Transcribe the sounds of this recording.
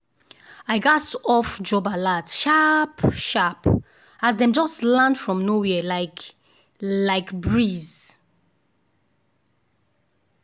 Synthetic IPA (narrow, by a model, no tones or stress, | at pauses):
aɪɡasɔfd͡ʒɔbaladʃapʃap | azdɛ̃md͡ʒɔstlãndfɹɔ̃mnowɛlaɪk | laɪkbɹiz̥